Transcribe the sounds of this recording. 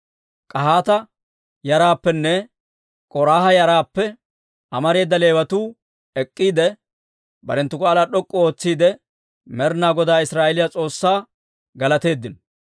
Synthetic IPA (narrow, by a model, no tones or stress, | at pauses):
kʼɐɦaːt̪ɐ | jɐɾaːpːɛnːɛ | kʼɔɾaːhɐjɐɾaːpːɛ | ʔɐmɐɾe̞ːd̪ːɐle̞ːwɐt̪uː | ɛkʼːiːd̪ɛ | bɐ̰ɾɛnt̪ːʊkaːlaːɗɔkʼːɔoːt͡sːiːd̪ɛ | mɛɾnaːɡɔd̪aːɪsɾaːʔɛlɪjat͡sʼo̞ːsːaː | ɡɐlɐt̪e̞ːd̪ːɪnɔ